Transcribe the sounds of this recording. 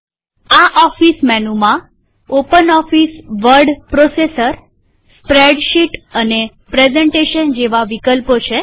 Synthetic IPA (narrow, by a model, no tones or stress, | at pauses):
aʔɔfismɛnumã | opənɔfisʋəɾɖpɾosesəɾ | spɾeɖʃiʈəne | pɾezeɳʈeʃənd͡ʒeʋaʋikəlpot͡ʃʰe